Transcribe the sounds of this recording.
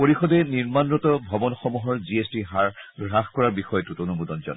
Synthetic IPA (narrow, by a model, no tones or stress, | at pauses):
poɹixɔdɛniɹmanɹɔtɔbʱɔbɔnxɔmuɦɔɹziestiɦaɹɹaxkɔɹaɹbixɔjɔtutonubudɔnd͡ʒɔ̰n